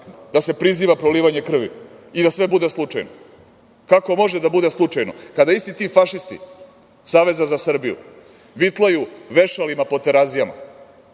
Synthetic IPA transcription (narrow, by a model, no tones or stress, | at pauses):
d̪ase̞pɾiziːʋapɾoliːʋaɲe̞kr̩ʋḭ | id̪asʋe̞bud̪e̞slˠut͡ʂa̰jno | kako̞mo̞ʒed̪abud̪eslˠut͡ʂajnokad̪aist̪it̪iːfaʃist̪ḭ | saːʋe̞zazasr̩bijṵ | ʋit̪lˠajuʋeʃalimapot̪eɾazijama̰